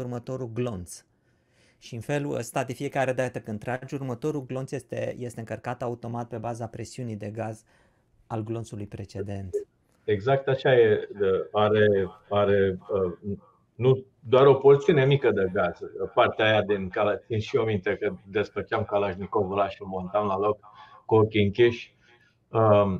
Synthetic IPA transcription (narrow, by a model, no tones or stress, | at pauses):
urmət̪o̞ɾuɡlo̞nt̪s | ʃiɨnfe̞luə̰st̪ad̪infie̞kaɾed̪aat̪əkəɨnt̪ɾad͡ʒʲurmət̪o̞ɾuɡlo̞nt̪sjest̪ḛje̞st̪eɨŋkərkat̪aut̪o̞mat̪̚pe̞bazapɾe̞siunijd̪e̞ɡaz | alɡlo̞nt̪sulujpɾe̞t͡ʃe̞d̪e̞nt̪ | eɡzak̚t̪aʃajeəaɾeaɾeə | nu | d̪oaɾo̞pozit̪iune̞mikəd̪eɡazəpart̪eajad̪inkalat̪sinʃiomint̪ekəd̪e̞sfət͡ʃamkalaʒnikovəlaʃimo̞nt̪amlalok̚ːuokʲiɨŋkʲiʃʲ | ə